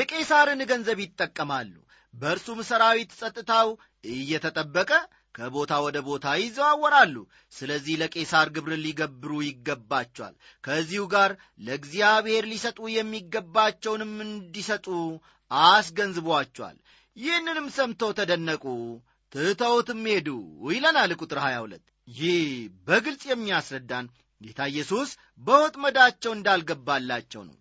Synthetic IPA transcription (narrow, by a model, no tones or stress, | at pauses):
jɛkʼe̞saɾɨnɡənzəβjɪt̪ʼːəkʼːəmalːṵ | bəɨɾsumsəɾawit̪sʼət̪ʼːɨt̪ʰaw | ɨjːɛt̪ʰət̪ʼəbːəkʼə | kʰəbo̞t̪ʰawɔd̪əbo̞t̪ʰajɪzːəwawːɔɾalːṵ | sɨləzːihləkʼe̞saɾɡɨβɾɨnliɡəbːɨɾujɪɡːəbːat͡ʃːɛwa̰l | kʰəzːihuɡaɾ | ləɡzijaβhe̞ɾlisət̪ʼujɛmːiɡːəbːat͡ʃːɛwnɨmɨnd̪isət̪ʼu | asɡənzɨβwat͡ʃːɛwa̰l | jɪhnːɨnɨmsəmt̪ʰo̞wt̪ʰəd̪ənːəkʼu | t̪ʰɨt̪ʰəwt̪ɨmːhe̞d̪ujlənalɨkʼut̪ʼɨɾhaja̰wulə̰t̪ː | jɪhbəɡɨlsʼjɛmːiasɾəd̪ːan | ɡet̪ʰajɛsus | bəwɔt̪ʼməd̪at͡ʃːɛwɨnd̪alɡəbːalːat͡ʃːɛ̰wnə̰w